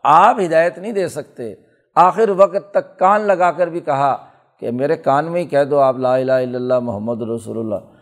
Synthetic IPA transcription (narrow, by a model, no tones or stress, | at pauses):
aːpɦɪd̪aːjət̪nəɦĩd̪eːsɐk̚t̪ḛ | aːxɪɾʋɐkt̪ːɐkːaːnlɐɡaːkɐɾbʱikɐɦa | kḛmeːɾekaːnmẽikɛɦd̪oaːplaːɪlaːɦɪlːəlːamʊɦəmːəd̪ɾɐsṵːlʊlːa̰ː